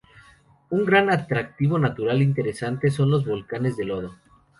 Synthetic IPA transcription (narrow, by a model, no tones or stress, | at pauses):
uŋɡɾanat̪ɾak̚t̪iβ̞o̞nat̪uɾalint̪e̞ɾe̞sant̪e̞s̬o̞nlo̞zβo̞lkane̞zðe̞lo̞ð̞o